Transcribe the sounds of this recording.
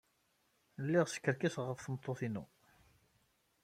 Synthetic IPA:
lːiʁsə̥kːəɾkisʁəfθəmt̪ˤːoθinṵ

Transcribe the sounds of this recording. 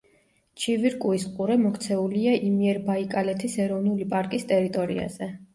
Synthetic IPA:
t͡ʃʰiviɾkʼuisqʼuɾɛmɔkʰt̪sʰɛuliaʔimiɛɾbaikʼalɛt̪ʰisɛɾɔvnulipʼaɾkʼist̪ʼɛɾit̪ʼɔɾḭa̰z̥ɛ

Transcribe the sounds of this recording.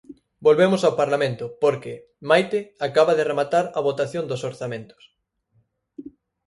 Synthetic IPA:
bolβemʊsawpaɾlamẽnt̪ʊpoɾkɪ | majt̪ɪakaβaðɪremat̪aɾɐβot̪aθjond̪osoɾθamẽnt̪ʊ̥s

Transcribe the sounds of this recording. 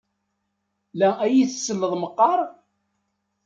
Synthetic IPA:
lææjiθəsːəlːəðˤməqːɑɾˤ

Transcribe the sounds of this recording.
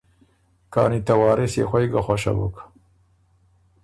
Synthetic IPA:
kɑ̰ːnit̪awɑːɾɪsjḛxʷajɡaxʷaʃa̰bṵkḁ

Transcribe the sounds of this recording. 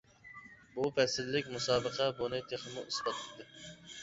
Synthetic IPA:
bupʰɛsɪlːɪkʲmusɑːbəqʰɛbunɨt̪ʰeχɨmuʔusbɑt̪ʰd̪ɨ

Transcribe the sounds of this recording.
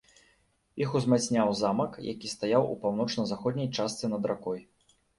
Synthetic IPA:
ixuzmasʲnʲawzamɐkjʔa̰kʲist̪ajawʔṵpawnɔt͡ʂnɐzaxɔd̪ʲnʲɐjt͡ʂast̪sɛnɐd̪ɾakɔj

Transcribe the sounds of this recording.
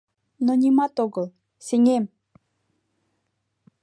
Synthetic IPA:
nonʲimɑt̪oɣə̆lˠ | seŋem

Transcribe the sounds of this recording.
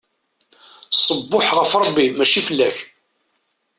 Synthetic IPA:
sˤəbːʊħʁəfɾˤəbːimæt͡ʃifəlːæç

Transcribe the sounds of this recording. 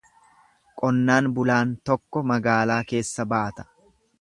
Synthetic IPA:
kʼɔnːaːnbʊlaːnt̪ɔkːɔmɐɡaːlaːke̞ːsːɐbaːt̪ɐ̥

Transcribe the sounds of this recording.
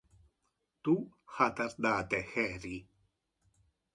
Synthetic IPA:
t̪uxat̪aɾd̪at̪exeɾi

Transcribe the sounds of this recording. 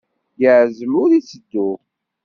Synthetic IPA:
jəʕzəlʊɾisəd̪ːu

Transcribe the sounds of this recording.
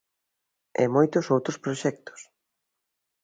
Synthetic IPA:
ɛ̰mojt̪ʊsowt̪ɾospɾoʃɛk̚t̪o̥s

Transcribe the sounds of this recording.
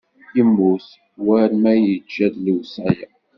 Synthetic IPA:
jəmːus | wæɾmæjəd͡ʒːæðliwsæja

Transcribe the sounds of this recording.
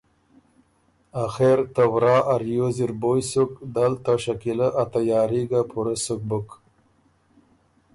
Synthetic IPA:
axeɾt̪awɾɑːʔaɾjoziɾbojsukd̪alt̪aʃakilaʔat̪ajɑːɾiɡapʰuɾasʊk̚bʊk

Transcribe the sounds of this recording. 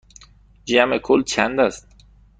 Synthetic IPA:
d͡ʒæmekʰolt͡ʃʰænd̪æst̪

